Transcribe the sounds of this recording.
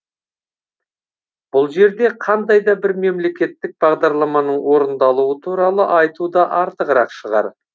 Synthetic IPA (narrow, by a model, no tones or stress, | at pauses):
b̥ʊlˠʒe̞ɾd̪e̞qʰɑnd̪ɑjd̪ɑbɪɾme̞mle̞kʲe̞t̪ːɪk̚bɑʁd̪ɑɾlˠɑmɑnəɴwo̞ɾənd̪ɑlˠuət̪ʰuɾɑlˠəʔɑjt̪ud̪ɑʔɑɾt̪əqəɾɑqʃəʁɑ̰ɾ